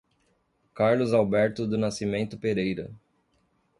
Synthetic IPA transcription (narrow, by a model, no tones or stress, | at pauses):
kaɾlʊzawbɛɾt̪ʊd̪ʊnasimẽnt̪ʊpeɾejɾɐ̰